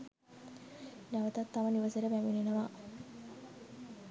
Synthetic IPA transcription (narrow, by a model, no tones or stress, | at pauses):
naʋət̪at̪ːaʋəniʋəseɾəbæminenəʋa